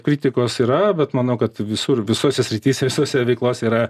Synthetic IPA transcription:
kɾʲiːt̪ʲɪkoːsiːɾɐbʲɛt̪mɐnɐʊkɐt̪ʋʲɪsurʋʲɪsoːsʲɛsʲɾʲɪt̪ʲiːsʲɛʋʲɪsoːsʲɛʋʲɛɪklˠoːsʲɛiɾɐ

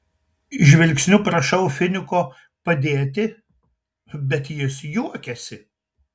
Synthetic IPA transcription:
ʒʲʋʲɛlʲksʲnʲʊpɾɐʃɐʊfʲɪnʲɪkoː | pɐd̪ʲeːt̪ʲɪ | bʲɛt̪jɪsjuɔkʲɛsʲɪ

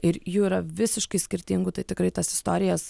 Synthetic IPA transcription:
ɪɾjuːɪɾɐʋʲɪsʲɪʃkɐɪsʲkʲɪɾʲt̪ʲɪŋɡʊt̪ɐɪt̪ʲɪkɾɐɪt̪ɐsɪ̥st̪oːɾʲɪjɛs

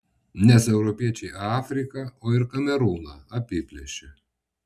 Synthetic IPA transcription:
nʲɛsɛʊɾɔpʲiɛt͡ʃʲɛɪʔɑːfʲɾʲɪkɐoːɪɾkɐmʲɛɾuːnɐɐpʲɪpʲlʲɛʃʲɛ

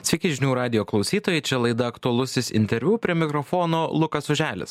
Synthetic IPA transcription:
t̪sʲɪkʲɪʒʲɪnʲuːɾɑːd̪ʲɪjoːklˠɒʊsʲiːt̪oːjɛɪt͡ʃʲɛlˠɐɪd̪ɐɐkt̪ʊɐlˠʊsʲɪsɪ̰nʲt̪ʲɛɾʲʋʲuːpʲɾʲiɛmʲɪkɾɔfɔːnoːlˠʊkɐsʊʒʲæːlʲɪ̰s

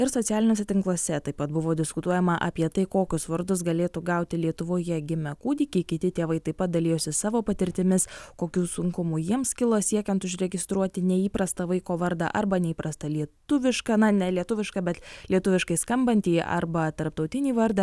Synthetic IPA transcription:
ɪɾsoːt̪ʲæːlʲɪnʲoːs̬ʲɛt̪ʲɪŋklˠuɔsʲɛt̪ɐɪpːɐt̪̚bʊʋoːd̪ʲɪskʊt̪uɔjɛmɐʔɐ̰pʲiɛt̪ɐɪkoːkʲʊsʋɐɾd̪ʊs̬ɡɐlʲeːt̪uɡɐʊt̪ʲɪlʲiɛt̪ʊʋoːjɛɡʲɪmʲɛkuːd̪ʲiːkʲikʲɪt̪ʲɪt̪ʲeːʋɐɪt̪ɐɪpɐt̪̚d̪ɐlʲijoːsʲɪsɑːʋoːpɐt̪ʲɪɾʲt̪ʲɪmʲɪskoːkʲuːsʊŋkʊmuːjiɛmskʲɪlˠosʲiɛkʲɛnt̪ʊʒʲɾʲɛɡʲɪst̪ɾuɔt̪ʲɪnʲɛiːpɾɐst̪ɐʋɐɪkoːʋɐɾd̪ɐ̰ʔɐɾbɐnʲɛiːpɾɐst̪ɐlʲiɛt̪ʊʋʲɪʃkɐnɐnʲɛlʲiɛt̪ʊʋʲɪʃkɐbʲɛt̪lʲiɛt̪ʊʋʲɪʃkɐɪskɐmbɐnʲt̪ʲiːɐ̰ɾbɐt̪ɐɾp̚t̪ɒʊt̪ʲɪnʲiːʋɐɾd̪ɐ

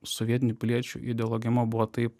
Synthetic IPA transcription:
sɔʋʲiɛt̪ʲɪnʲuːpʲɪlʲiɛt͡ʃʲṵːʔɪd̪ʲɛɔlˠoːɡʲɪmobʊʋɔt̪ɐɪp

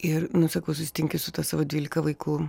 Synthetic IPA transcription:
ɪrnʊsɐkɐʊsʊsʲɪ̥t̪ʲɪŋʲkʲɪsʊt̪ɑsɑːʋoːdʲʋʲiːlʲɪkɐʋɐɪkʊ

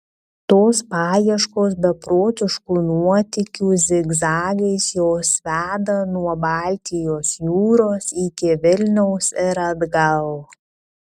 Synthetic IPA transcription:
t̪oːspɑːjiɛʃkoːsbʲɛpɾoːt̪ʲɪʃkuːnuɔt̪ʲɪkʲuːzʲɪɡzɑːlʲɛɪsjoːsʋʲæːd̪ɐnuɔbɑːlʲt̪ʲɪjoːsjuːɾoːsiːkʲɪʋʲɪlʲnʲɛʊsɪɾɐd̪ɡɐlˠ

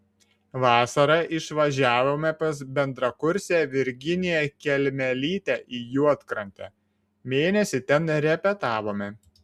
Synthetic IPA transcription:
ʋɑːsɐɾɐʔɪʃʋɐʒʲæːʋoːmʲɛpɐsbʲɛnd̪ɾɐkʊɾʲsʲæːʋʲɪɾʲɡʲɪnʲejɛkʲɛlʲmʲɛlʲiːt̪ʲæʔiːjuɔt̪kɾɐnʲt̪ʲɛ̰ː | mʲeːnʲɛsʲɪt̪ʲɛnɾʲɛpʲɛt̪ɑːʋoːmʲɛ

